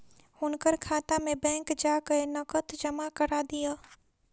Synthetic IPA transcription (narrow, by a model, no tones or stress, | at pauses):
ʊnkəɾkʰaːt̪amẽbɛ̃ːŋkd͡ʒaːkəenɐkət̪d͡ʒɐmakəɾad̪ijaː